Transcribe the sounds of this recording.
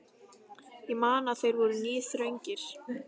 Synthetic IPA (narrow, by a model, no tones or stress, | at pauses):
imaːnaθejɾvɔɾʏniːθɾœɥɲcɪɾ̥